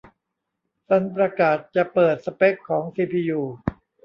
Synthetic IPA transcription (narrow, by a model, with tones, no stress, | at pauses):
t͡ɕʰa˦˥np̬ɾa˧kaː˨˩t̪̚t͡ɕa˨˩pɤː˨˩t̪̚sa˧pe˦˥kʰːɔː˩˦ŋsiː˧pʰiː˧juː˧